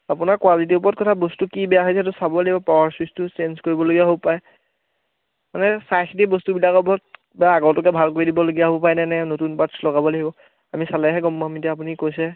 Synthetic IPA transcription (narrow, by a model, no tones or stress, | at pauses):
apunaɹkwalit̬iʊpɔɹɔt̚kɔtʰabostukibɛjaɦojsɛtʊsabɔlaɦibɔpɔwaɹsistusenskoɹibɔloɡijaɦobpaj | manɛsajxitibostubilakɔbɔt̚ | bɛaaɡɔtɔkɛbʱalkoɹidibɔloɡijaɦobɔpajnɛnɛnotunpatslɔɡabɔlaɦibɔ | amisalɛɦɛɡɔmːamitɛap̬unikojsɛ